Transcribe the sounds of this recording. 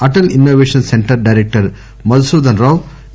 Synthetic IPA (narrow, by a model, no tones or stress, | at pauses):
ɐʈɐlinːoːʋeːʃɐnseɳʈɐɾɖɐjɾek̚ʈɐɾ | mɐd̪suːd̪ɐnɾaːʋ